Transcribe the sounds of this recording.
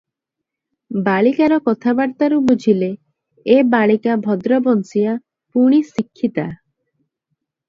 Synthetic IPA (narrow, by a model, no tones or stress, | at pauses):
baɭikaɾɔkɔt̪ʰabaɽt̪aɾubud͡ʒʱile | ebaɭikabʱɔd̪ɾɔbɔnsija | puɽ̃isikʰːit̪a